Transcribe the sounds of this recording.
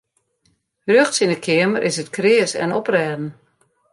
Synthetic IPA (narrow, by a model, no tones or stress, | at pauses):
røxtsinəkʰɪəməɾʔɪsətkrɪəsɛ̰nɔprɛːdn̩